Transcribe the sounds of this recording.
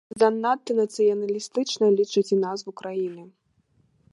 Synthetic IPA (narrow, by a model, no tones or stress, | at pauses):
d̪anːat̪ːɨnɐt̪sɨjɐnɐlʲist̪ɨt͡ʂnɐlʲit͡ʂɨt͡sʲinazvukɾajinɨ